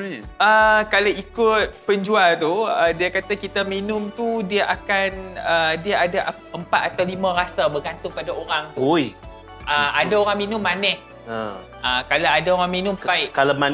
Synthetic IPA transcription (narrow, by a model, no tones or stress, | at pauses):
əkalaikʊt̪̚pəɲd͡ʒualt̪uədiakat̪akit̪aminʊmt̪udiaʔakanədiaʔadaʔ | əmpat̪̚at̪awlimãɾasabəɡant̪ʊŋpadaoɾaŋt̪uoj | ʔəadaoɾaŋminʊmːanɛh | ə | əkalaadaoɾaŋminʊmpaɪʔkalama